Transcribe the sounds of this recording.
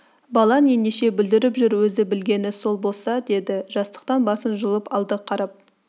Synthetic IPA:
bɑlˠɑne̞nd̪eʃe̞bʏld̪ɪɾɪpʒʏɾwɵzɪbɪlɡʲe̞nɪso̞lˠbo̞lˠsɑd̪e̞d̪ɪʒ̥ɑst̪ə̥q̚t̪ɑnbɑsənʒəlˠəpɑlˠd̪əqʰɑɾɑp̚

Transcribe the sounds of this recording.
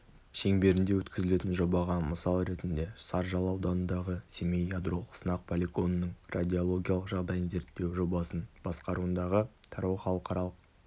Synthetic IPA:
ʃe̞ŋbe̞ɾɪnd̪e̞wɵt̪kʲɪzɪle̞t̪ɪnʒo̞bɑʁɑməsɑlˠɾe̞t̪ɪnd̪e̞sɑɾʒɑlˠɑwd̪ɑnənd̪ɑʁəsʲemejjad̪ro̞lˠsənɑq̚pʰolʲiko̞nənəɴrʔad̪ʲiolˠo̞ɡʲijalˠəqʒɑʁd̪ɑjənze̞ɾt̪ːe̞wʒo̞bɑsənb̥ɑsqɑɾuənd̪ɑʁət̪ʰɑɾowχɑlˠəqɑɾɑlˠəq̚

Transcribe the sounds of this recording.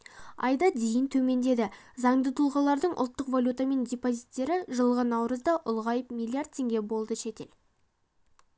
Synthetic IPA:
ɑ̰jd̪ɑd̪ejənt̪ʰɵme̞nd̪e̞d̪ɪzɑɴd̪ət̪ʰulˠʁɑlˠɑɾd̪əɴʔʊ̰lˠt̪ːəqvalʲjut̪ame̞ndʲepozʲit̪ːe̞ɾɪʒəlˠʁənɑwɾəzd̪ɑʔʊlˠʁɑjəpmʲilˠijart̪̚t̪ʰːe̞ŋɡʲe̞bo̞lˠd̪əʃe̞t̪e̞l

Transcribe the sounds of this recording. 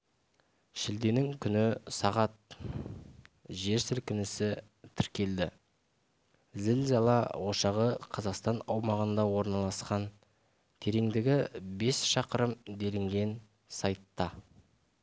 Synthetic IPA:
ʃɪld̪e̞nɪŋkʲʰʏnɪsɑʁɑt̪̚ | ʒe̞ɾsʏlkʲɪnɪsɪ | t̪ʰɪɾkʲe̞ld̪ɪ | zɪlzɑlˠɑwo̞ʃɑʁəqʰɑzɑqst̪ɑnɑwmɑʁənd̪ɑwo̞ɾnɑlˠɑsqɑn | t̪ʰe̞ɾe̞ŋd̪ɪɡʲɪbe̞sʃɑqəɾəmd̪e̞lɪŋɡʲe̞n | sɑjt̪ːɑ

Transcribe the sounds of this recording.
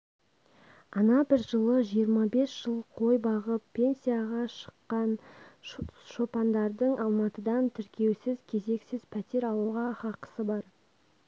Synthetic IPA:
ɑnɑbɪɾʒəlˠəʒijəɾmɑbe̞sʒ̥əlˠqʰo̞jbɑʁəpʰːe̞nsijaʁɑʃə̥qːɑn | ʃo̞pɑnd̪ɑɾd̪əɴʔɑlˠmɑt̪əd̪ɑnt̪ʰɪɾkʲʰe̞wsɪzkʲʰe̞ze̞ksɪzpʰæt̪e̞ɾɑlˠuʁɑχɑqə̥səbɑɾ

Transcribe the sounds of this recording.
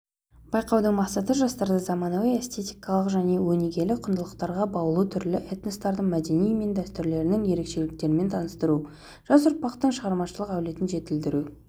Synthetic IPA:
bɑjqɑwd̪əɴmɑqsɑt̪əʒɑst̪ɑɾd̪ɑzɑmɑnowejest̪ʰe̞t̪ijkɑlˠəqʒæne̞wɵneɡʲe̞lɪqʰʊnd̪əlˠəqt̪ɑɾʁɑbɑəlˠut̪ʰʏɾlɪʔet̪nest̪ɑɾd̪əɴmæd̪e̞nijme̞nd̪æst̪ʏɾle̞ɾɪnɪŋje̞ɾe̞kʃe̞lɪk̚t̪e̞ɾɪme̞nt̪ʰɑnəst̪əɾu | ʒ̥ɑsʊɾpɑqt̪əɴʃəʁɑɾmɑʃəlˠəqæwle̞t̪ɪnʒe̞t̪ɪld̪ɪɾu

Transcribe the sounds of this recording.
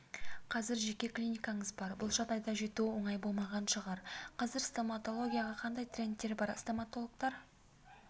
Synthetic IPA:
qʰɑzɪɾʒe̞kʲe̞klʲijnʲijkɑɴəzbɑɾbʊlˠʒɑd̪ɑjd̪ɑʒe̞t̪uɪwoɴɑjbo̞lˠmɑʁɑnʃəʁɑɾqʰɑzɪɾst̪omat̪o̞lˠo̞ɡʲijaʁɑqʰɑnd̪ɑjt̪rʲe̞nt̪ːe̞ɾbɑɾst̪omat̪o̞lˠok̚t̪ɑɾ

